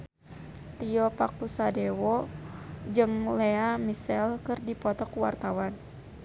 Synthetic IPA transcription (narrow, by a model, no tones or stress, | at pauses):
t̪iɔpakusadewɔ | d͡ʒɨŋleamisɛlkɨrdipɔt̪ɔkuwa̰rt̪awan